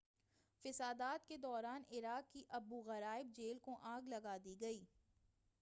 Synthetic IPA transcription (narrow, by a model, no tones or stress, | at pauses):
fɪsaːd̪aːt̪ked̪ɔːɾaːnɪɾaːkkiʔɐbuɣɐɾaːɪb̚d͡ʒeːlkoʔãːɡlɐɡaːd̪iɡɐiː